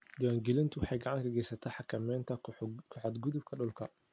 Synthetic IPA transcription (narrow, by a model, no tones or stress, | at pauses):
d̪ɪwaːŋɡɛlɪnt̪ʰʊwɑħɑjɡɑʕɑŋkʰɐɡɛjsɐt̪ʰɐħɑkʰɐmɛːnt̪ʰɐkʰɔħɔd̪ɡʊðʊb̚kʰɐɗʊlkʰɐ